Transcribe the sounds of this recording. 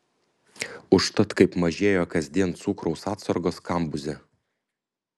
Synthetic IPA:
ʊʃt̪ɐt̪kɐɪpmɐʒʲeːjoːkɐzʲd̪ʲiɛnt̪sukɾɔʊsɑːt̪sɐɾɡoːskɐˑmbʊzʲɛ

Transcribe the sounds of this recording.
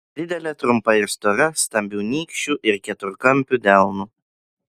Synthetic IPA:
d̪ʲɪd̪ʲɛlʲɛt̪ɾʊmpɐɪɾst̪ɔɾɐst̪ɐmʲbʲuːnʲiːkʃʲt͡ʃʲuːʔɪɾkʲɛt̪ʊɾkɐmʲpʲuːd̪ʲæˑlˠnuː

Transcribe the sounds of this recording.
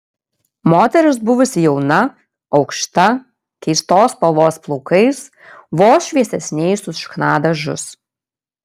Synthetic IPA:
moːt̪ʲɛɾʲɪsbʊʋʊsʲɪjɛʊnɐ | ɒʊkʃt̪ɐ | kʲɛɪst̪oːspɐʋoːsplˠɔʊkɐɪs | ʋoːsʃʲʋʲiɛsʲɛsʲnʲɛɪsʊʃknɑːd̪ɐʒʊ̰s

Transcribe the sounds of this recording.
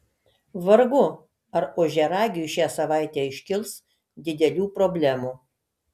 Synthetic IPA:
ʋɐɾɡʊ | ɐɾoːʒʲɛɾɑːɡʲɪʃʲæːsɐʋɑˑɪt̪ʲeːɪʃʲkʲɪlˠs | d̪ʲɪd̪ʲɛlʲuːpɾɔbʲlʲæːmuː

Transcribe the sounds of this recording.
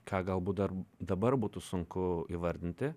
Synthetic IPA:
kʰɑːɡɐlˠbuːt̪d̪ɐrd̪ɐbɐɾbuːt̪ʊsʊŋkʊiːʋɐɾʲd̪ʲɪnʲt̪ʲɪ

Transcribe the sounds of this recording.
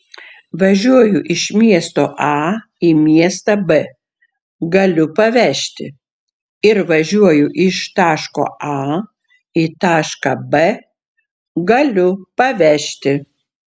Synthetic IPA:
ʋɐʒʲuɔjʊʔɪʃmʲiɛst̪oːʔɑ | imʲiɛst̪ɐbɛ | ɡɐlʲʊpɐʋʲæʃʲt̪ʲɪ̰ | ɪɾʋɐʒʲuɔjʊʔɪʃt̪ɑːʃko̰ːɑ | iːt̪ɑːʃkɐbɛ | ɡɐlʲʊpɐʋʲæʃʲt̪ʲɪ

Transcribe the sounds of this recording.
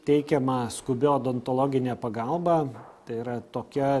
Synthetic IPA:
t̪ʲɛɪkʲɛmɐskʊbʲɪoːd̪ɔnt̪olˠoːɡʲɪnʲeːpɐɡɐlˠbɑt̪ɐɪiɾɐt̪oːkʲɛ

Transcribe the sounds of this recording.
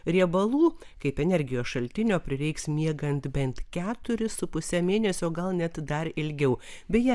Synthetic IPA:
ɾʲiɛbɐlˠuː | kɐɪpɛnʲɛɾʲɡʲɪjoːsʃɐlʲt̪ʲɪnʲoːpʲɾʲɪɾʲɛɪksmʲiɛɡɐnt̪bʲɛnt̪kʲæːt̪ʊɾʲɪsʊpʊsʲɛmʲeːnʲɛsʲoːɡɐlˠnʲɛt̪d̪ɐɾɪlʲɡʲɛʊ | bʲɛjɛ

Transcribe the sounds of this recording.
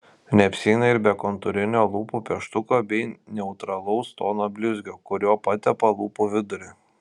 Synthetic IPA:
nʲɛɐpʲsʲɛɪnɐɪɾbʲɛkoːnt̪ʊɾʲɪnʲoːlˠuːpupʲɛʃt̪ʊkoːbʲɛɪnʲɛʊt̪ɾɐlˠɔʊst̪oːnoːbʲlʲʊzʲɡʲoːkʊɾʲoɔpɐt̪ʲɛpɐlˠuːpuʋʲɪd̪ʊɾʲɪ

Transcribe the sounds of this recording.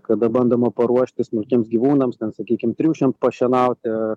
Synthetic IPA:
kɐd̪ɐbɐnd̪omɐpɐɾuɔʃʲt̪ʲɪsmʊlʲkʲiɛmsɡʲiʋuːnɐmst̪ʲɛnsɐkʲiːkʲɪmt̪ʲɾʲuːʃʲɪmt̪pɐʃʲɛnɐʊt̪ʲɪɐ

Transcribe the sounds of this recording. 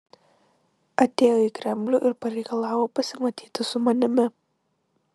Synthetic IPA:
ɐt̪ʲeːjoiːˑkɾʲɛmʲbʲlʲuːʔɪɾpɐɾʲɛɪkɐlˠɑːʋoːpɐsʲɪmɐt̪ʲiːt̪ʲɪsʊmɐnʲɪmʲɪ

